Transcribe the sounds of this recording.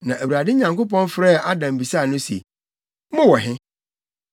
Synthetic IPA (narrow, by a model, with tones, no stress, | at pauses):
nã˨ʔæ˨wu˨ɾa˨dɪ˦ɲã˨ŋko˦pɔ̃˦nfɾɛ˦˨a˦dã˨m̩˨bi˨sa˦˨nʊ̃˦sḛ˨˦ | mʊ̃˦wɔ˨ɦɪ̃˦